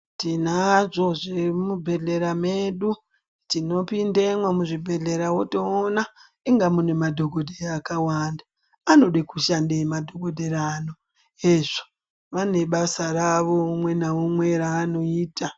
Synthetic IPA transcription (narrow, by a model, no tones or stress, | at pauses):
tinaʐo̞ʐemubʱe̞ɮe̞ɾameɗu | tino̞pindemwamuʐibʱe̞ɮe̞ɾawotoːna | iŋɡamune̞madʱo̞ɡʱo̞dʱeaːkawaːndaː | no̞ɗikuʃandemadʱoɡʱo̞dʱeɾaːno̞ | eʐo̥ | ʋane̞ɓasaɾaʋomwe̞naomwe̞ɾaːno̞iːta